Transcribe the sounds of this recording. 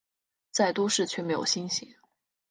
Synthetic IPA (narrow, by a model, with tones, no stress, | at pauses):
t͡sa˥˩ɪt̪u˥ʂɻ̩˥˧t͡ɕʰɥɛ˥˩me˧˥ɪjo˨˩ʊɕi˥nɕi˧˥˦